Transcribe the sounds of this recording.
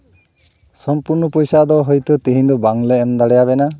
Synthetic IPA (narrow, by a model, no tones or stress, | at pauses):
sɔmpuɾnɔpɔjsad̪ɔɦɔjt̪ɔt̪iɦĩnd̪ɔbaŋleːmd̪aɽɛjaβɛna